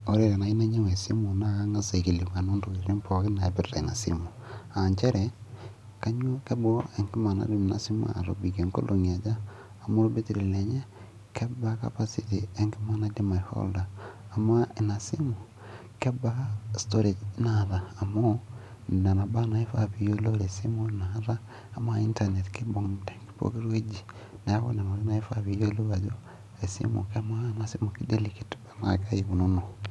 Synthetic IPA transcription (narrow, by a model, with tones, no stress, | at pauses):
o˦ɾe˨ɾe˨na˨i˦na˦ɲe˦we˨si˦mo˨na˦a˦ŋa˦sa˨ke˨li˨u˨ka˨no˦ndo˨we˨ɾe˨ɾe˦mpʰo˨ki˦na˨e˨pe˦ɾta˨na˨sḭmo˨a˨ɲt͡ʃɛ˦ɾɛ˨ | ka˦ɲwa˦ke˦bo˦ɾo˦e˨ŋɡi˦ma˨na̰˦di˦m˨na̰˨si˦mo̰˦a̰˨lo̰˨bi˨ke˨ŋko̰˦lo˨ŋ˨a˨d͡ʒaː˦˨ | mo˦ɾo˦be˦ti˨ɾe˨e˨le˨ɲe˦ | kʰɛ˦ba˦ka̰˦pa˦si˦ti˨e˦ŋɡi˦ma˦na˦di˦ma˨i˨ho̰˦ldaː˨ma˦e˨na˨si˦mo˨ | ke˦ba˦stoɾe˨d͡ʒnaðaː˨mo | n˨na˨na˨ba˦nae˦fa̰βijolo˦ɾe˨simunaðaː˦˨ | m˦a˦i˦ntanetkibu˨ŋdaki̥po̰ke˦ɾwe˦d͡ʒi | na˨ja˦ko̰˦na˨maɾi˦naefaβijo˦loβa˨zo | e˨sḭmṵ˨kemwa˦nasi˦mukide˦liki̥tbana˨ka˦jiβu˨nono